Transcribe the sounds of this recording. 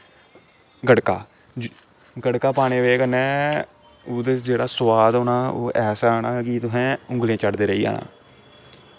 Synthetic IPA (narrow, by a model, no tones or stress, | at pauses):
ɡəɽkaː | ɡəɽkaːpaːɽ̃eːʋeːkənɛ̃ː | ʊːd̪ed͡ʒeːɽaːsʋaːd̪onaːo̰ːʔɛːsaːnaːkɪt̪ʊɦɛ̃ːʊ̃ŋɡlẽːt͡ʃəɽd̪eːɾəiːa̰ːnã̰ː